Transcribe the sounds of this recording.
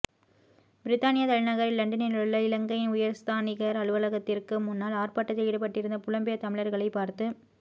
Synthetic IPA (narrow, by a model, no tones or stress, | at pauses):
b̥ɪɾɪt̪ːaːnɪjɐt̪ɐɻɪnɐɣɐɾɪllɐɳɖɐnɪnɯɭːɐɪlɐŋɡɐjɪnʊjɐɾst̪ʰaːnɪɣɐɾɐɭɯʋɐlɐɣɐt̪ːɪrkɯmʊnːaːlaːrpaːʈːɐt̪ːɐɪɽɯpɐʈːɪɾɯnd̪ɐpʊlɐmbɪjɐt̪ɐmɪɭɐɾɣɐɭɐɪpːaːɾt̪ɯ